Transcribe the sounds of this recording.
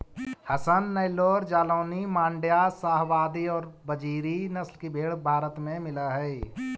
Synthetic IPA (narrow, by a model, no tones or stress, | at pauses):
hɐsənːɐɪloːɾd͡ʒaːloːnimãːɳɖjasaːɦwaːd̪iɔːɾbəd͡ʒiːɾinɐslkibʱeːɽbʱaːɾət̪mẽmɪlaɦɛː